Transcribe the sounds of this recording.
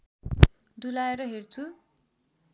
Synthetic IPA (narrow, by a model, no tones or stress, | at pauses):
d̪ulaeɾʌɦert͡sʰu